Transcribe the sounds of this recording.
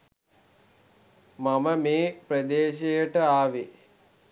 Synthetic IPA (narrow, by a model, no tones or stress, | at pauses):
maməmeːprəd̪eːʃejəʈəaːʋe